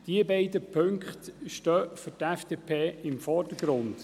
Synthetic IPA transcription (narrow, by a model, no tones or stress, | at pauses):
d̥iəbɛɪdəpʰɵŋkχt̪ʃtœːfʏɾtɛfd̥eːpʰeːɪmfɔrdəɡ̥ɾʊnd̥